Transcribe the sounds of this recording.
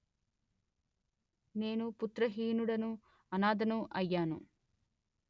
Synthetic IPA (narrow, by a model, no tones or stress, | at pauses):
ne̞ːnuput̪ɾɐɦiːnuɽɐnu | ɐnaːd̪ɐnuʔɐjːaːnṵ